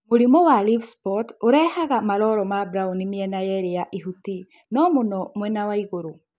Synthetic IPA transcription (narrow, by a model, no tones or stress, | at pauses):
moɾimɔwalifspɔtoɾɛːhaɣamaɾɔɾɔmabɾaunimiɛnajɛɾejaʔiɦuti | nɔmonɔmwɛnawaiɣoɾo